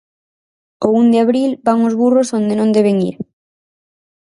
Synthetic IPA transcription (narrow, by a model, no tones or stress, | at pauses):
ound̪ɪaβɾilbaŋozβurosond̪enõnd̪eβ̞eŋḭɾ